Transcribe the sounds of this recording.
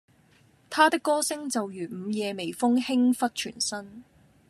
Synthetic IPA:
t̪ʰaː˥t̪ɪ˥kːɔː˥sɪ˥ŋt͡sɐ˨wjyː˨˩m̩˨˧jɛː˨˧me˨˩jfʊ˥ŋhɪ˥ŋfɐ˥t̚t͡ʃʰy̰ː˨˩nsɐ˥n

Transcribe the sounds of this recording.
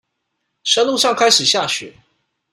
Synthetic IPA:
ʂə˥nlu˥˧ʂɑ˥˩ŋkʰa˥ɪʂɻ̩˨˩ɕja˥˩ɕɥɛ̰˨˩˦

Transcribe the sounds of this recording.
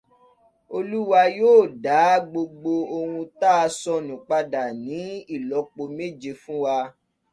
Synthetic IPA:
o˧lu˦wa˧joː˦˨da˨˦ɡ͡bo˧ɡ͡bo˧o˧hũ˧ta˦a˧sɔ˧nũ˨k͡pa˧da˨nĩ˨˦i˦˨lɔ˨˦k͡po˧me˦d͡ʒe˧fũ˦wa˧

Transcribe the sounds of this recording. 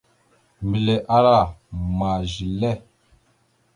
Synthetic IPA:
mi˨le˨ʔa˦ɾa˦˨ma˨ʒi˨lɛ˦˨

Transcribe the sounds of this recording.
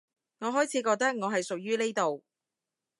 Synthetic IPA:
ŋɔː˨˧ɦɔː˨˥jt͡sʰiː˨˧kɔː˧k̚t̪ɐ˥k̚ŋɔː˨˧ɦɐ˨jsʊ˨k̚jyː˥ne˥jt̪o˨w

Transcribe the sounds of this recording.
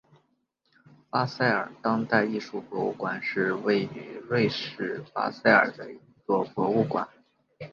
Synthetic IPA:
pa˥sa˥˩ɪə̰˞˨˩t̪ɑ˥ŋt̪a˥˧ɪi˥˧ʂu˥˩pwɔ˧˥ṵ˥˩kwa˨˩nʂɻ̩˥˧we˥˩ɪy˧˥lwe˥˧ɪʂɻ̩˥˩pa̰˥sa˥˩ɪə̰˞˨˩d̪ə˦i˧˥t͡swɔ˥˩pwɔ˧˥u˥˩kwa̰˨˩˦n

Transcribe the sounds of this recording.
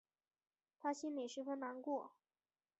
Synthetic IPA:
t̪ʰa˥ɕi˥nme˨˩ʂɻ̩˧˥fə˥nna˧˥nkwɔ˥˩

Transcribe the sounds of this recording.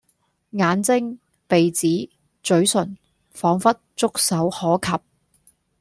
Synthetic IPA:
ŋaː˨˧˥nt͡sɪ˥ŋ | pe˨jt͡siː˨˥ | t͡sɵ˨˥ɥsɵ˨˩n | fɔː˨˥ŋfɐ˥t̚t͡sʊ˥k̚sɐ˨˥whɔː˨˥kʰɐ˨p̚

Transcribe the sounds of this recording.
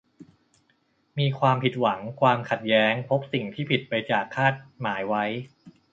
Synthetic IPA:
miː˧kʰwaː˧mpʰi˨˩t̪̚wa˩˦ŋkʰwaː˧mkʰa˨˩t̪̚jɛː˦˥ŋpʰo˦˥p̚si˨˩ŋt̪ʰiː˥˩pʰi˨˩t̪̚pa˧jt͡ɕaː˨˩kʰːaː˥˩t̪̚maː˩˦jwa˦˥j

